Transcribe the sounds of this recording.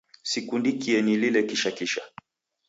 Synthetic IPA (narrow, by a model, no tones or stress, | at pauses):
sikundikiɛnililɛkiʃakiʃa